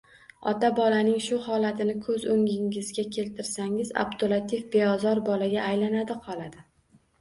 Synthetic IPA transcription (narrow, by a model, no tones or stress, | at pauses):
ɒ̰t̪abɒlanɪŋʃʊhɒlat̪ʰɪnɪkʰɵzɵŋʲɪŋɪzɡʲakʲʰe̞lt̪ʰɪɾsaŋɪza̰bt̪ʰolˠat̪ʰifbe̞ɒzɒɾbɒlaɡʲaːjlanad̪ɪqʰɒlˠad̪ɪ